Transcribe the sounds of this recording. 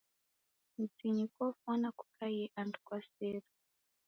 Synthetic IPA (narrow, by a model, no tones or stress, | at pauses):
mid͡ziɲikɔfɔnaku̥kʰajɛʔandu̥kwaseːɾa